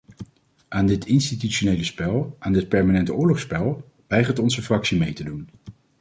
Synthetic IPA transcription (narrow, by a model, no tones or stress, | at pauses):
ʔaːndɪtɪnstityʃonejləspɛlˠʔaːndɪt̚pɛɹmaːnɛntʊːɹlɔχspɛlˠ | ʋɛjχətɔnzəfrɑksimejtədun